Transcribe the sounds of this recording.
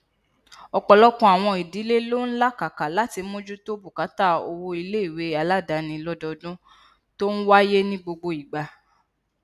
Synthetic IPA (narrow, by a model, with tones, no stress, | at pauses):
ɔ˧k͡pɔ˧lɔ˦kũ˧˦a˨w̃ɔ̃˧i˨di˨˦le˦lo˦n̩˦la˦ka˨ka˨la˨˦ti˧˦mõ˦d͡ʒu˦to˦bu˨ka˨˦ta˦˨o˧wo˧i˧le˦i˦˨we˨˦a˨˧la˦˨da˨nĩ˧lɔ˦dɔ˧dũ˦ | to˦n̩˦wa˦je˦nĩ˦ɡ͡bo˧ɡ͡bo˧i˨ɡ͡ba˨˧